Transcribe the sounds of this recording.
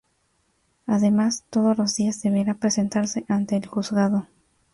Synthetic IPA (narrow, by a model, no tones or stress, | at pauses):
aðe̞mast̪o̞ðo̞zlo̞zðiazðe̞βeɾapɾe̞se̞nt̪aɾse̞ʔant̪e̞ːlxuzɣaðo̞